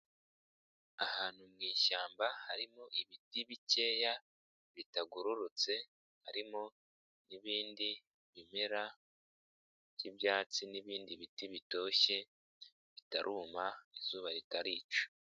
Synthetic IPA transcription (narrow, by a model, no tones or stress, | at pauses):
ahaːn̥humŋiːʃaːmbahaɾimoʔiβitiβice̞ːja | βitaɡuɾuɾut͡se̞ | haɾimo | niβiːndi | βimeɾa | jibjaːt͡siniβiːndiβitiβito̞ːçe̞ | βitaɾʔuːmaizuːβaɾitaɾiːt͡ʃo̥